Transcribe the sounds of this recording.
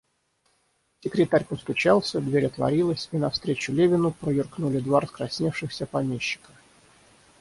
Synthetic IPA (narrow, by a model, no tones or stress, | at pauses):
sʲɪkɾʲɪt̪aɾʲpəst̪ʊt͡ɕalˠsʲəd̪vʲeɾʲət̪lˠɐ̰ɾʲilˠəsʲinɐfst̪ɾʲet͡ɕʊlʲevʲɪnʊpɾəjɪrknulʲɪd̪vaɾəskɾɐsʲnʲefʂɨxsʲəpɐmʲeɕːɪ̥kə̥